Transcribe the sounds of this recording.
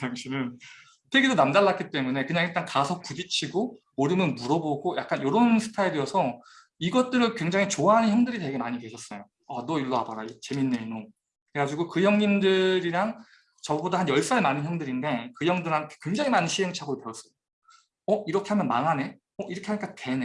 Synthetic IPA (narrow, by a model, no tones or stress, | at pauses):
taŋɕʰinɯn | tʰeɡidonamdaɭːak͈it͈e̞mune̞kɯɲaŋiɭt͈ankasʰʌk̚k͈ud͡ʑit͡ɕʰiɡo | oɾumjʌnmuɾʌboɡojak̚k͈anjoɾonsʰɯ̥tʰaedɯʌsʰʌ | iɡʌt̚t͈ɯɾɯnkwe̞ŋd͡ʑaŋit͡ɕoaɦanɯnçjʌŋdɯɾide̞ɡe̞maɲike̞ɕʰʌs͈nʌjo | ʌnʌiɭːoɦabaɾait͡ɕe̞minːeino | kɾeɡad͡ʑiɡokɯjʌŋɲimdɯɾiɾaŋ | t͡ɕʌbodahanjʌɭs͈aɭmanɯnçjʌŋdɯɾinde̞kɯjʌŋdɯɾɦankʰekwe̞ŋd͡ʑaŋimanɯnɕʰiɦe̞ŋt͡ɕʰaɡoɾopeʌs͈ʌo | ʌiɾʌkʰe̞ɦamjʌnmaŋɦane̞ | ʌʔiɾʌkʰeaɲik͈ate̞ne